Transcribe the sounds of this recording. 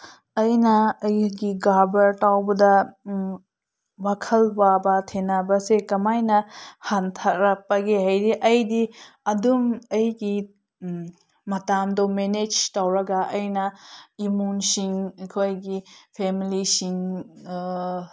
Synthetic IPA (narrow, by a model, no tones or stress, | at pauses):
ɐjnɐːjɡiɡabɐɾtawbɐdɐ | wakʰɐlbabɐtʰenabɐsekɐmajnɐhantʰak̚ɾɐpɐɡeɦajdiʔɐjdi | ɐdumɐjɡi | ɐtamdomened͡ʒtawɾɐɡɐʔɐjnɐimunsiŋekʰojɡipʰemilisiŋ